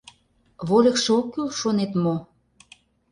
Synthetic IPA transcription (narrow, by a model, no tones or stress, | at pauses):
βolʲəkʃeokːylʃonet̪mo